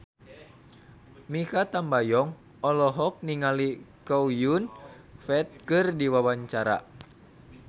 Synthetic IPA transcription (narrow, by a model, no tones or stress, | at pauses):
mikat̪ambajɔŋ | ɔlɔɦɔk̚niŋalikɔwjun | fɛt̪̚kɨrdiwawaɲt͡ʃaɾa̰